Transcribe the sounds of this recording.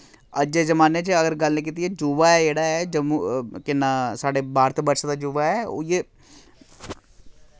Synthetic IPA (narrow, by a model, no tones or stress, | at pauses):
əd͡ʒeːzəmaːneːt͡ʃəɡəɾɡəlniːk̬iːt̪iɛːd͡ʒuːʋaːɛd͡ʒeːɽaːɛːd͡ʒəmũkɪnːaːsaːɖeːbaːɾt̪ːbəɾʃad̪aːd͡ʒuːʋaɛːo̰jeː